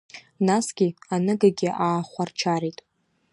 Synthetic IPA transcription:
nasɡ̥ʲianɨɡaɡʲɪʔaːχʷart͡ʃʰaɾitʼ

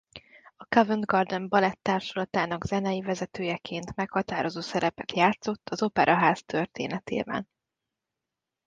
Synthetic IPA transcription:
ɒkɒvɛnd̪ɡɒrd̪ɛmbɒlɛt̪ːaːrʃolɒt̪aːnɒɡzɛnɛjivɛzɛt̪øːjɛkʰeːnt̪mɛkhɒt̪aːɾo̞zoːsɛɾɛpɛt̪jaːt̪so̞t̪ʰːɒzo̞pɛɾʔɒɦaːst̪ørt̪ḛːnɛt̪ḛːbɛ̰n

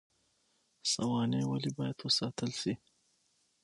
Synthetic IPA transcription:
sawɑnewalibɑjad̪wəsɑt̪əlsi

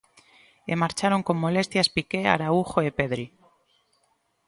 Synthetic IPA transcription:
emaɾt͡ʃaɾo̞ŋko̞mːo̞le̞st̪jaspike̞a̰ɾauxo̞epe̞ðɾi

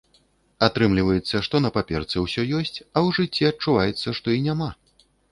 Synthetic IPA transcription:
at̪ɾɨmlʲivɐjɛt̪sːɐʂt̪ɔnɐpapʲɛrt̪sɨwsʲɔjɔsʲt͡sʲɐwʐɨt͡sʲːiɐt͡ʂuvajɛt̪sːɐʂt̪ɔinʲama

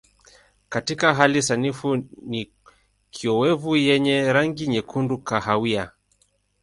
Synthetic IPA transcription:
katikaɦalisanifuni | kʰiɔwɛvujɛɲɛɾaŋɡiɲɛkʰundukaɦawia

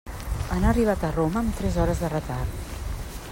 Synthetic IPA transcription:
ənariβ̞at̪əroməːmt̪ɾɛzɔɾəzðərət̪art̪

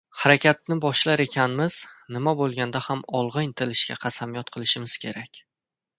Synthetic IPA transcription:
haɾakʲat̪̚nɪbɒʃlaɾe̞kʲʰanmɪz̥nɪmabolˠɡʲand̪ahamɒlˠʁɨjnt̪ʰɪlɪʃkʲa̰qʰɑsamijɒt̪qʰɨlˠɪʃɪmɪz̥kʲʰe̞ɾakʲ

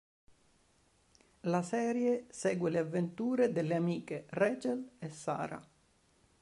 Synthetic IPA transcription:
lasɛːɾjesɛːɡweleavːent̪uːɾed̪elːeamiːkerɛːt͡ʃelesːa̰ːɾa̰

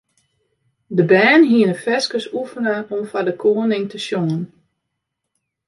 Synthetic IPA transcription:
dəbɛːnɦiənəfɛskəsufənəʔɔmfadəkʰoːənɪŋtəsjoŋən

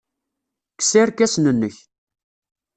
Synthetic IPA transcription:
kːsɪɾkæsnənːəç

